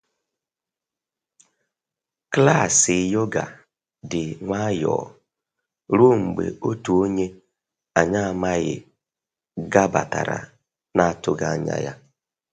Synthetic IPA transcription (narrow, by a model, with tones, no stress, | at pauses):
kla˦˨sɪ˨jo˦ɡa˨ | dɪ˨ŋʷa˦jɔ̰˨ | ɾo˦ŋ͡m̩˨ɡ͡bḛ˨o˦tu˨o˦ɲe˦ | a˨ɲa˦a˨ma˦ɣɪ̰˨ | ɡa˦ba˨ta̰˨ɾa̰˨ | na˦a˦˨tʊ˦ɡa˦ɲa̰˦ja̰˦